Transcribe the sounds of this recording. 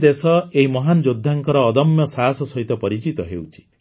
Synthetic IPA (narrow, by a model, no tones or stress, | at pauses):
d̪esɔeɦimɔɦand͡ʒod̪ʱːaŋkɔɾɔːd̪ɔmjɔsaɦasɔsɔɦit̪ɔpɔɾit͡ʃit̪ɔɦewt͡ʃʰi̥